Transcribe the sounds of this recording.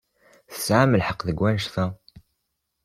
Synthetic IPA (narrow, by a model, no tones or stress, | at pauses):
θə̥sʕaməlħəqːðəɡwænʃθæ